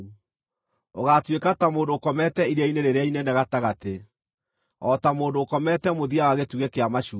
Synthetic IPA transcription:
oɣatwekatamoːndoːkɔmɛtɛiɾeaineɾeɾeainenɛɣataɣate | ɔtamoːndoːkɔmɛtɛmoðiawaɣetuɣɛkeamaʃu

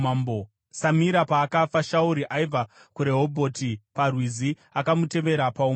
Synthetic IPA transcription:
ambo | samiɾapaːkafaʃauɾiʔaivakuɾe̞ɦo̞bʱo̞tiparwizi | akamute̞ʋe̞ɾapaum

